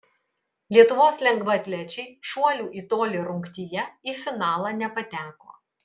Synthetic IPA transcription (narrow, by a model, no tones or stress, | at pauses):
lʲiɛt̪ʊʋoːslʲɛŋɡʋɐt̪ʲlʲɛt͡ʃʲɛɪʃuɔlʲuːʔit̪oːlʲiɾʊŋkt̪ʲijɛiːfʲɪnɑːlˠɑnʲɛpɐt̪ʲæːko̰ː